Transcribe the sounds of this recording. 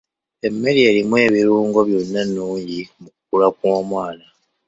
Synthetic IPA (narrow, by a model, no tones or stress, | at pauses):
e̞mːe̞ɾie̞ːlimwe̞ːβiɾuːŋɡo̞βjo̞nːanuːɲɟimukukulakwo̞ːmwaːna